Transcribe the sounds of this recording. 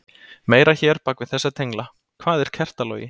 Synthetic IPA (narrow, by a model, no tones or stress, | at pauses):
meːjɾaçɛːɾ̥pakvɪðθɛsːat̪ʰejŋkla | kʰvaːðɛɾ̥cʰɛr̥t̪alœ̰ːjɪ̰